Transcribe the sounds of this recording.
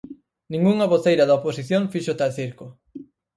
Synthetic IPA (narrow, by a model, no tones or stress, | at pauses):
nĩŋɡuŋaβoθejɾɐðɐoposiθjoŋfiʃot̪alθiɾkʊ